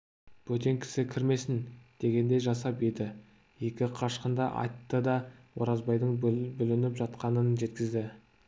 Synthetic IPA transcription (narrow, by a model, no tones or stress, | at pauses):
b̥ɵt̪̬e̞ŋkʲʰɪ̥sɪkʲʰɪɾme̞sɪnd̪̥e̞ɡʲe̞nd̪e̞jʒɑsɑped̪ɪ | je̞kʲɪqʰɑʃqənd̪ɑʔɑ̰jt̪ːəd̪ɑwoɾɑzbɑjd̪əɴbʏlɪnɪpʒɑt̪qɑnənʒe̞t̪kʲɪzd̪ɪ